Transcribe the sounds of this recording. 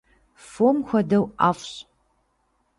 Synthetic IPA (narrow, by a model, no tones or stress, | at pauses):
fomxʷɐdɐwaːfɕ